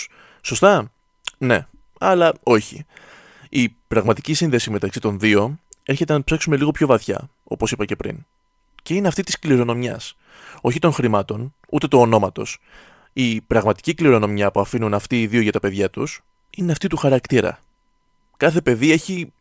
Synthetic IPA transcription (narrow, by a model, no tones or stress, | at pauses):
so̞st̪ɐ | ne̞ | ɐlɐo̞çi | ipɾɐɣmɐt̪icisinðe̞sime̞t̪ɐksit̪o̞nðio̞e̞ɾçe̞t̪e̞nɐpse̞ksume̞liɣo̞pço̞vɐθçɐ̰ | o̞̰po̞sipɐce̞pɾḭn | ce̞ineɐft̪it̪i̥skliɾo̞no̞mɲɐ̰s | o̞çit̪o̞ŋxɾimɐt̪o̞n | ut̪e̞t̪oːno̞mɐt̪o̞̰s | ipɾɐɣmɐt̪i̥cikliɾo̞no̞mɲɐpuɐfinunɐft̪iːðio̞ʝɐt̪ɐpe̞ðʝɐt̪us | ineɐft̪it̪uxɐɾɐkt̪iɾɐ̰ | kɐθe̞pe̞ðie̞çi